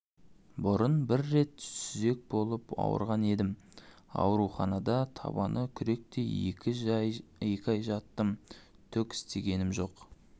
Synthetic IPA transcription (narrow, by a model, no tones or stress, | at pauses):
bʊɾənbɪɾːe̞t̪sʏze̞k̚bo̞lˠəpɑ̰wə̰ɾʁɑne̞d̪ɪm | ɑ̰wɾuχɑnɑd̪ɑt̪ʰɑ̰bɑnʔəkʲʰʏɾe̞k̚t̪e̞ekʲɪʒe̞kʲɑjʒɑt̪ːəm | t̪ʰʏkʲɪ̥st̪e̞ɡʲe̞nɪmʒo̞q